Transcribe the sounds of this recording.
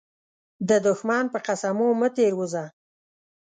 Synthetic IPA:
d̪əd̪ʊxmɑnpəqasamomət̪eɾwuza

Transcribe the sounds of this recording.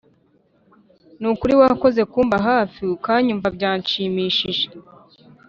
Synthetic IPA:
nukuɾiwako̞ze̞kuːmbaɦaːfiukaːɲumvabɟaːɲʃiːmiːʃiʒe̥

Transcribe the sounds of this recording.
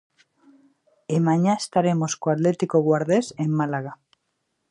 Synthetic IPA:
emaɲaest̪aɾe̞mo̞skoat̪le̞t̪ikoɣwaɾðe̞semːalaɣa

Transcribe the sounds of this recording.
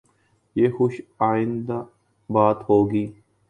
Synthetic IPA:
jeːxʊʃaːɪ̃nd̪a | baːt̪ɦoːɡiː

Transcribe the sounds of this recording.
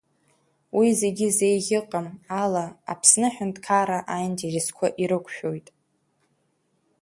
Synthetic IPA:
wize̞ɡʲize̞jʁʲɪqʼamalaa̰pʰsnɨħᶣʊndkʰaɾaʔajnderiskʷʰaʔiɾɨkʷʰʃᶣo̞jtʼ

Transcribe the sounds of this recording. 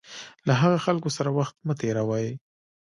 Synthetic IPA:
laɦaɣaxalkosaɾawaxt̪mət̪eɾawaj

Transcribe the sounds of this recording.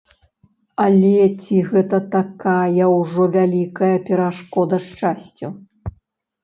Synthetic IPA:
ɐlʲɛt͡sʲiɣɛt̪ɐt̪akajɐwʐɔvʲalʲikɐjɐpʲɛɾaʂkɔd̪ɐʂt͡ʂasʲt͡sʲu

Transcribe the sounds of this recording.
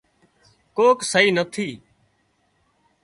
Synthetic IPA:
koːksəɦiːnət̪ʰiː

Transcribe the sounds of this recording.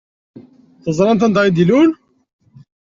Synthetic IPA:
θəzˤɾˤɑnt̪ænd̪ʁid̪ilun

